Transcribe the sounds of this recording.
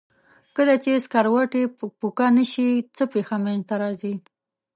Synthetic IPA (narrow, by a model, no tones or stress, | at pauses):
kəlat͡ʃeskaɾwaʈepukanəʃit͡səpexamanzt̪aɾɑzi